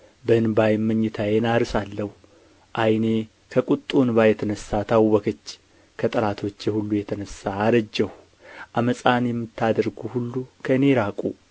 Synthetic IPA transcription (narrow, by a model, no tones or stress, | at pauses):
bəɨnbajmːəɲːɪt̪ʰajenaɾsalːəhu | ʔajne̞ | kʰəkʼut̪ʼːunbajɛt̪ʰənəsːat̪ʰawːɔkʰət͡ʃː | kʰət̪ʼəlat̪ʰo̞t͡ʃːjɛhulːujɛt̪ʰənəsːaːɾəd͡ʒːɛhu | ʔaməsʼanjɛmːɨt̪ʰːad̪əɾɡuhulːukʰəɨne̞ɾakʼu